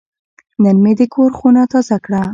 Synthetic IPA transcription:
nənmed̪əkʰoɾxunat̪ɑzakɽa

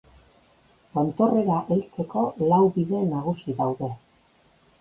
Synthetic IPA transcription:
ont̪o̞re̞ɾaʔelt͡se̞ko̞lawβiðe̞naɣ̞usiðawðe̞

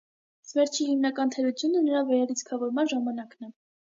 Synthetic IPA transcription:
svɛɾt͡ʃʰihimnɑkɑnt̪ʰɛɾut͡sʰjunənəɾɑvɛɾɛlit͡sʰkʰɑvɔɾmɑnʒɑmɑnɑknɛ

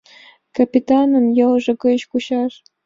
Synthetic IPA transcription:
kapʲit̪ɑnɤ̆mjɤlʐɤ̆kɤɕkuɕɑʂ

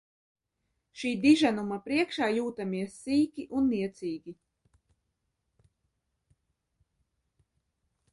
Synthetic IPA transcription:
ʃiːd̪iʒanumapɾiɛkʃaːjuːt̪amiɛsːiːkʲiʔunːiɛt̪siːɡʲi

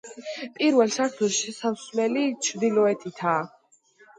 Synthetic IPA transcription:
pʼiɾvɛlˠʃaɾt̪ʰulˠʃɛsaslɛlit͡ʃʰɾd̪ilɔɛt̪ʰit̪ʰaː

